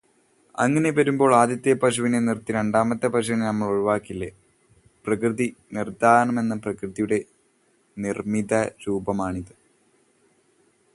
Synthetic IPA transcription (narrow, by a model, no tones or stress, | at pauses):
ɐ̰ŋːɐne̞pɐɾumbo̞ːɭaːd̪jɐt̪ːjɐpɐɕuʋinenirt̪ːiɾeɳɖaːmɐt̪ːepɐɕ̬uʋinenɐmːɐɭuɻuʋaːkːilːe | prɐkrɨðinird̪aːnɐme̞nːɐprɐkrɨðijuɽe̞ | nirmid̪ɐɾuːbɐmaːɳiðɨ